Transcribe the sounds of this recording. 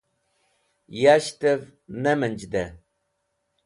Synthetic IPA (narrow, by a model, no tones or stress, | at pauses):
jaʃtəvnɐmɨnd͡ʒdɐ